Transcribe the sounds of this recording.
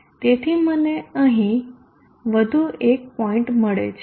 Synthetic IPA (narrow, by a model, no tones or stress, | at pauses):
t̪et̪ʰiməneəɦĩ | ʋəd̪ʱuek̚pɔĩɳʈməɭḛt͡ʃʰ